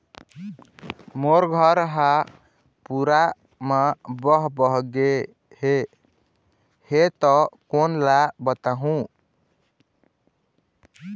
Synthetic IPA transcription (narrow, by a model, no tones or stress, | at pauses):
moɾɡʱʌɾɦa | puɾa | məbɔɦbəɦɡe | he | het̪ɔkonlabət̪aɦũ